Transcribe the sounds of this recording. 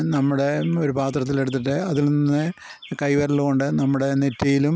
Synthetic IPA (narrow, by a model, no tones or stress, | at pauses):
nɐmːuɽe̞o̞ɾupaːt̪rɐt̪̬ːile̞ɽut̪ːiʈ̬ːɨɐðilnninːɨ | kɐjʋɐɾɐɭko̞ɳɖɨnɐmːuɽe̞netːɐjilum